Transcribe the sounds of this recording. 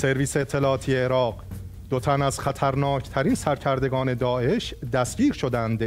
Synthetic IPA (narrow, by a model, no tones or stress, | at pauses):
se̞ɾviːseːt̪ʰːe̞lɒːt̪ʰijeːɾɒːɢ | d̪̥ot̪ʰænæzχæt̪ʰæɾnɒːcʰt̪ʰæɾiːnsæɾcʰæɾd̪e̞ɡɒːne̞d̪ɒːe̞ʃd̪æsɟiːɾʃo̞d̪ænd̪